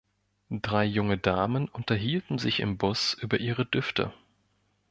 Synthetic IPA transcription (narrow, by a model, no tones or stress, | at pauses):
d̥ʁaɪjʊŋədaːmənʔʊntɐɦiːltn̩zɪçɪ̰mbʊsʔyːbɐʔiːʁədʏftʰə̰